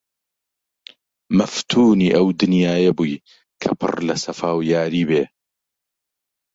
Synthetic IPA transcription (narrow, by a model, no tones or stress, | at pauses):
mɐft̪ʰuːniːʔɐwd̪ɨnjaːjebuːj | kʰɐ̰pʰɨ̰rlɐsɐfaːwjaːɾiːbeː